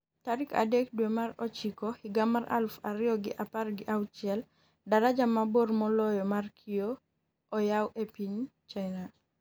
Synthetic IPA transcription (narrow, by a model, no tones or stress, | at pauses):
taɾika̰dek̚dwemaɾɔt͡ʃikɔhiɡamaɾa̰lfaɾɪjɔɡɪ̰ʔaparɡɪʔawt͡ʃɪɛl | daɾad͡ʒamabormɔlɔjɔmarkʰioː | jawʔepiɲt͡ʃaɪna